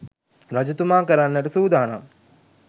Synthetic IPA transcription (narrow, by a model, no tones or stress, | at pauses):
ɾɐd͡ʑut̪umaːkəɾanːəʈəsuːd̪aːna̰